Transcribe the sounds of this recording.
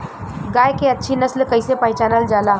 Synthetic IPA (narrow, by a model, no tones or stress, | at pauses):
ɡajkeətːʃʰinəslkəɪsepəɦɪt͡ʃaːnəld͡ʒala